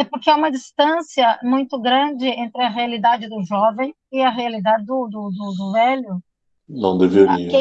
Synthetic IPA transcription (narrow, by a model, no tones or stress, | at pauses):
ɛpʊɾkɪaũmɐd͡ʒist̪ɐ̃siɐmũj̃t̪ʊɡɾɐ̃d͡ʒɪẽnt̪ɾɪɐɦealid̪ad͡ʒɪd̪ʊʒɔvẽj̃ | ɪɐɦealid̪ad͡ʒɪd̪ʊd̪ʊd̪ʊd̪ʊvɛlʊ | nɐ̰̃w̃d̪eviɐĩkẽ